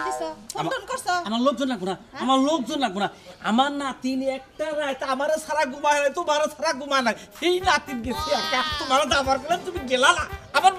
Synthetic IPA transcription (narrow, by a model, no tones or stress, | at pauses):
d̪isɔaɔnkɔɾsɔamaɾlok̚d͡ʒɔnlaɡunaamaɾlok̚d͡ʒɔnːaɡunaa̰maɾnat̪inɛk̚ʈaɾajt̪amaɾesaɾaɡumanajt̪umaɾesaɾaɡumanajsejnat̪inɡesʰiaɾkat̪umaɾɔd̪abaɾkɔlant̪umiɡelanaamaɾ